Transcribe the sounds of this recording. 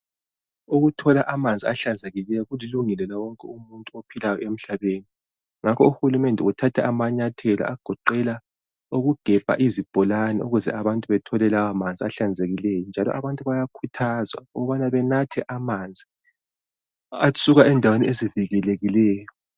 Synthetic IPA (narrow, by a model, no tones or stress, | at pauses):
uɣutʰɔlaʔamand͡zʱiaɬand͡zʱeɣilɛjɔɣuliluŋɛlɛlawɔŋkʼɛumuntʼuopʰilajɔem̩ɬaβeːni | ŋakʰɔuxulumɛndʱɛutʰatʰɛamaɲatʰɛla̰ʔaɡ̥ʱɔǃɛla | uɣuɡ̥ʱɛb̥ʱa̰ʔizib̥ʱɔlanɛuɣuzɛ̰ʔaβantʼuβɛtʰɔlɛlawamand͡zʱiaɬand͡zʱeɣilɛjɔnd͡ʒʱalɔ̰ʔaβantʼuβajakʰutʰazwa̰ɣβanaβɛnatʰɛʔamand͡zʱi | asʼuɣaɛndʱawenieziviɣɛleɣilɛːjɔ